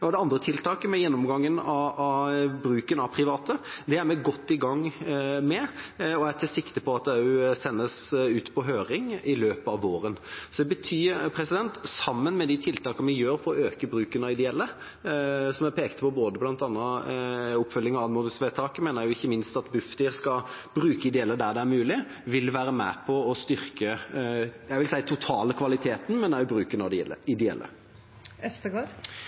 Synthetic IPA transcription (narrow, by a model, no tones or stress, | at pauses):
ɔd̪ɛɑnd̪ɾət̪ʰɪlt̪ʰɑːkəmɛjɛnːɔmɡɑŋːənɑ | bɾʉːkənɑʋpʰɾɪʋɑːt̪əd̪ɛæɾmɛɡɔt̪ːɪɡɑŋmɛɔæt̪ʰɪsɪkt̪əpʰɔɑt̪̚d̪ɛjʊsɛnːəsʉːt̪pʰɔɦøːɾɪŋɪløːpəɑʋoːɾənsɔd̪ɛbət̪ʰyːpʰɾɛsɪd̪ɛnt̪sɑmːənmɛd̪ɪt̪ʰɪlt̪ʰɑːkəmɛjøːɾfɔɾɔøːkəbɾʉːkənɑɪd̪ɛɛlːə | sɔmæpʰeːkt̪əpʰɔboːd̪əblɑnt̪ɑnːə | ʊpːfœlːɪŋɑʋɑd̪mʊːd̪əsʋeːt̪ʰɑːkəmeːnəɾjʊɪçːəmɪnst̪ɑt̪bʉfd̪iːɾskɑbɾʉːkəɪd̪ɛɛlːəd̪æd̪ɛæɾmʉːlɪ | ʋɪlʋæːɾəmæ̰pʰɔɔst̪ʏɾkə | jæɪʋɪlsæɪət̪ʰʊt̪ʰɑːləkʰʋɑlɪt̪ʰeːt̪n̩mɛnd̪æɾjʊbɾʉːkənɑd̪əɪd̪ɛɛ̰lːə̰ | ɛft̪əɡoːd